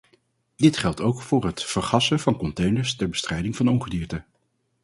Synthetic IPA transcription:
d̥ɪtχɛlˠtowkfʊːɹɦətfəɹχɑsənvɑnkɔntejnəɹstɛɹbə̥strɛjdɪŋvɑnɔnχədiːɹtə

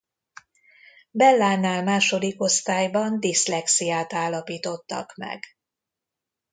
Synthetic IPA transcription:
bɛlːaːnːaːlmaːʃo̞d̪iko̞st̪aːjbɒnd̪islɛksijaːt̪aːlːɒpiːt̪o̞t̪ːɒ̰kmɛ̰ɡ

